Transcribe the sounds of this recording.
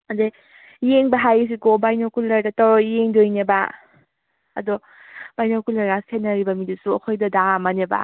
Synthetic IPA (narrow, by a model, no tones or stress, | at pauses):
ɐde | jeŋbɐɦajis̬ikobajnokulːɐɾdɐtɔɾjeŋdojneba̰ | ɐ̰dɔ | b̥ajnokulɐɾɡaskʰenːɐɾibɐmidisuɐkʰojdɐdaŋamaneba̰